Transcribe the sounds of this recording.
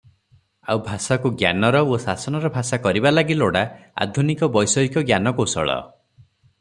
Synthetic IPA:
a̰wbʱasakuɡja̰nɔɾɔosasɔnɔɾɔbʱasakɔɾibalaɡiloɽaa̰d̪ʱunikɔbɔjsɔikɔɡjanɔkosɔ̰ɭɔ̰

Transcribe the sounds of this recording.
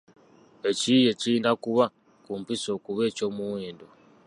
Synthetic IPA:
ecije̞ciːndakuβa | kumpiso̞kuβe̞ːco̞muweːndo

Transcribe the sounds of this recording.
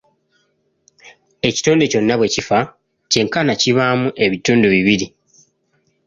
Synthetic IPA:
e̞ci̥to̞ːnde̞co̞nːaβwe̞cifa | ce̞ŋkanaciβamuʔe̞βituːnduβiβiɾi

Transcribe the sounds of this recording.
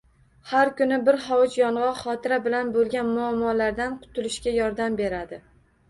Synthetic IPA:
haɾkʊnɪbɪɾhɒwɪt͡ʃjɒɴʁɑχɒt̪ʰɪɾabɪlanbolˠɡʲanmʊamːɒlaɾd̪anqʰʊ̥t̪ʰɪlɪʃkʲajɒɾd̪ambe̞ɾad̪ɪ

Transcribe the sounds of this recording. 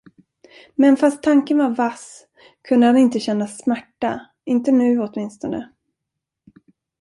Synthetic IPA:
mɛnfast̪ʰːaŋkənvaɾvas | kʰɵnd̪əhanɪnt̪əɕɛnːasmæʈːa | ɪnt̪ənʉ̟ːɔt̪mɪnst̪ɔnə̰

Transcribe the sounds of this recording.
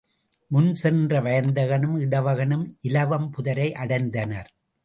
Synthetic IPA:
mʊnsɛndrɐʋɐjɐnd̪ɐɣɐnɯmɪɽɐʋɐɣɐnɯmʔɪlɐʋɐmpʊðɐɾɐɪʔɐɽɐɪnd̪ɐnɐɾ

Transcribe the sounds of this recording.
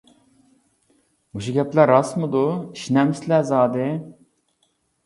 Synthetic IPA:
uʃuɡʲɛplæɾːɑsmɨd̪uiʃnɛmslɛzɑːd̪ɨ

